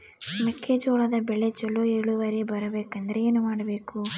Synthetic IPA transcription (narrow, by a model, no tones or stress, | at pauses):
mekʰːeːd͡ʒoːɭɐd̪ɐbɛɭet͡ʃɐlːueɭuʋɐɾebɐɾɐbeːkɐnd̪ɐɾeeːnumaːɽɐbe̞ːku